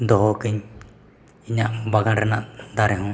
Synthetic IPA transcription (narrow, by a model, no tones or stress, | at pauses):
d̪ɔɦɔkiɲ | iɲaʔbaɡaɾɛnaʔd̪aɾɛɦɔ̃